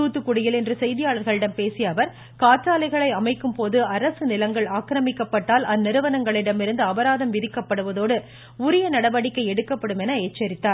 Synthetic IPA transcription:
uːt̪ːɯkːʊɽɪjɪlɛndrɯsɛjðɪjaːɭɐɾɣɐɭɪɽɐmpeːsɪjɐʋɐɾ | kaːt͡ʃːaːlɐɪɣɐɭɐɪɐmɐɪkːɯmpoːðɯɐɾɐsɯnɪlɐŋɡɐɭaːkɾɐmɪkːɐpːɐʈːaːlɐnːɪɾɯʋɐnɐŋɡɐɭɪɽɐmɪɾɯnd̪ɯɐʋɐɾaːðɐmʋɪðɪkːɐpːɐɽɯʋɐðoːɽɯ | ʊɾɪjɐnɐɽɐʋɐɽɪkːɐɪɛɽɯkːɐpːɐɽɯmɛnɐeːt͡ʃːɐɾɪt̪ːaːɾ

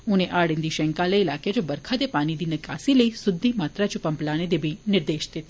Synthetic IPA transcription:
ʊ̃nẽʔaːɽɪ̃nd̪iʃɛ̃ŋkaleɪlaːked͡ʒobɐɾkʰad̪epaːnid̪inɐkaːsiləisʊd̪ʱːimaːt̪ɾat͡ʃupɐmplaːned̪ebʱinɪɾd̪eːʃd̪ɪt̪

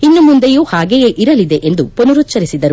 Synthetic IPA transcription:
inːumund̪ejuːhaːɡejeʔiɾɐlid̪eʔend̪uponuɾutːt͡ʃɐɾisid̪ɐɾu

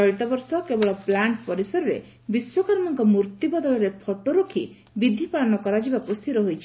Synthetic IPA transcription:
ɔɾit̪ɔbɔɾsɔkebɔɭɔplaɳʈpɔɾisɔɾɔɾḛ | biswɔkaɾɔmɔŋkɔmuɾt̪ibɔd̪ɔlɔɾepʰɔʈoɾokʰi | bid̪ʱipaɭɔnɔkɔɾad͡ʒibakust̪ʰiɾɔɦojt͡ʃʰi̥

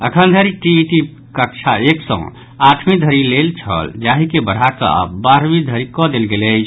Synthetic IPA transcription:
əkʰənd̪ʱəɾiʈiʈi | kək̚t͡ʃʰaeksə̰̃ | aʈʰmid̪ʱəɾilelt͡ʃʰə̰ld͡ʒaɦikebəɽ̤ɦakə̰a̰baɾmid̪ʱəɾikɔd̪elɡelət͡ʃʰ

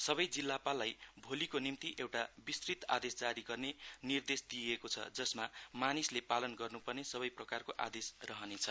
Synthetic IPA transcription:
sʌbʌjd͡zilːapalːajbʱolikonimt̪iʔewʈabist̪rit̪a̰d̪esd͡zaɾiɡʌrnenird̪esd̪iekot͡sʰʌ̰d͡zʌsmamanislepalʌnɡʌrnupʌrnesʌβʌjprʌkarkoʔa̰d̪esrʌɦʌnet͡sʰʌ

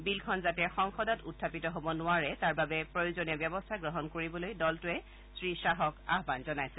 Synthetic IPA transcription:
bilkʰɔnzatɛxɔŋxɔdɔtutʰːapitɔɦobɔnʊaɹɛtaɹbabɛpɹojozoniɔbjɔbɔstʰaɡɹɔɦɔnkoɹibɔlojdɔltʊɛ | sɹisaɦɔka̰ɦbanzɔnajsɛ

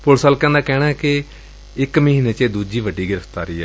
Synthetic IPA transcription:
pʊlsaːlkɛ̃ːnd̪aːkɛːɽaːɛkɪ | ɪkməɦiːneːt͡ʃeːd̪uːd͡ʒiːʋəɖːiːɡɪɾəpʰt̪aːɾiːɛ̰ː

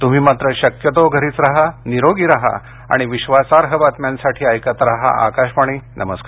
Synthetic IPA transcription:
t̪um̤iːmat̪ɾəɕəkjət̪ɔɡʱəɾiːt͡sɾaɦaniɾoɡiːɾaɦa̰ | a̰ɽ̃iʋiɕʋasaɾɦəbat̪mjansaʈʰiːajkat̪ɾaɦa̰ʔa̰kaɕpaɳ̃iːnʔəməskaɾ

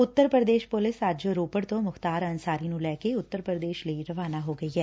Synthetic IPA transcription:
ʊt̪ːəɾpɾəd̪eːʃpʊlɪsəd͡ʒɾoːpəɽt̪õːmʊxt̪aːɾɐnsaːɾinũlɛːkeʊt̪ːəɾpɾəd̪eːʃləiɾɐʋaːnaɦoːɡɐiɦɛː

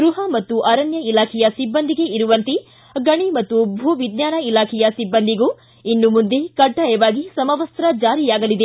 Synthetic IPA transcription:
ɡɾuɦɐmɐt̪ːuʔɐɾɐnjɐilaːkʰɛjɐsibːɐnd̪ʱiɡe̞iɾuʋɐnt̪i | ɡɐɳimɐt̪ːubʱuʋid̪jaːnɐilaːkʰɛjɐsibːɐnd̪iɡuː | inːumund̪ekɐɖːɐjɛʋaːɡisɐmɐʋɐst̪ɾɐd͡ʒaːɾijaːɡɐlid̪e

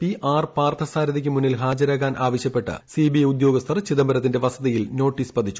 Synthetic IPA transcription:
piʔaːrpaːrt̪ʰɐsaːɾɐðikʲːɨmunːilɦaːd͡ʑɐɾaːɣaːnʔaːʋɐɕjɐpːe̞ʈːɨ̰sibijeud̪jo̞ːɡɐst̪ʰɐrt͡ɕiðɐmbɐɾɐt̪ːinde̞ʋɐsɐðɐjilno̞ːʈːiːspɐd̪ʱit͡ɕːu̥

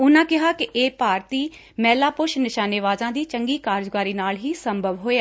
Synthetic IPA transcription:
ʊnãːkɪɦaːkɪʔeːpaːɾt̪iː | mɛːlaːpʊʃnɪʃaːneʋaːzãːd̪iːt͡ʃəŋɡiːkaːɾd͡ʒɡaːɾiːnaːlɦiːsəmbʱəʋɦoːeaː

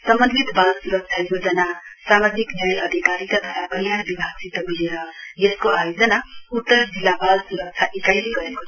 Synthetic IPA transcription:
sʌmbʌnd̪ʱit̪balsuɾʌk̚t͡ʃʰajod͡zʌnasamad͡ziknjʌjʌd̪ʱikaɾit̪ʌt̪ʌɾabʌnjanbibʱaɡsit̪ʌbileɾʌjeskoʔajod͡zʌnaut̪ːʌɾd͡zilːabalsuɾʌk̚t͡ʃʰaʔikajliɡʌɾeko

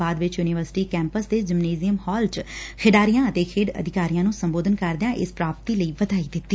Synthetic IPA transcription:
aːd̪ʋɪt͡ʃjuːnɪʋəɾsɪ̥ʈiːkɛ̃ːmpəsd̪eːd͡ʒɪmneːzɪjəmhɔːlt͡ʃkʰɪɖaːɾijãːət̪eːkʰɪːɖə̰d̪ʱɪkaːɾijãːnũːsəmboːd̪ənkəɾd̪jãːʔɪspɾaːp̚t̪iːləiːʋəd̪aːiːd̪ɪt̪ːiː

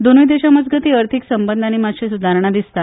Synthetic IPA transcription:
d̪onujd̪eɕaməd͡zɡət̪iːəɾt̪ʰiksəmbənd̪añimat̪ɕesud̪ʱaɾəɳ̃ad̪ist̪a

